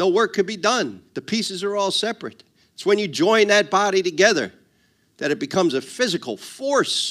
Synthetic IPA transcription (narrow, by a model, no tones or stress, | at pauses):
oʊwɜ˞kʰːɨd̚bidʌ̃nðɨpʰisɨzə˞ɔlˠsɛpɹɨt̪̚ | ɨtswɨ̃njɨd͡ʒɔ̃ɪ̃nðɨt̚b̥ɑɾiɾɨɡɛðə̰˞ | ðɨɾɨt̚b̥ɨkʰʌ̃mzɨfɪzɨkl̩ˠfɔɹs